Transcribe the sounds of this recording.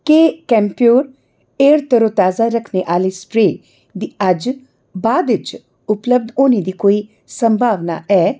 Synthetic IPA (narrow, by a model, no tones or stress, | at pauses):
kekɛ̃ːmpioːɾ | eːɾt̪əɾoːt̪aːzaːɾəkʰneʔaːliːspɾeː | d̪iːəd͡ʒ | baːd̪ɪt͡ʃ | ʊpləb̚d̪onĩːd̪iːkoːiː | səmbʱaːʋna̰ːʔɛː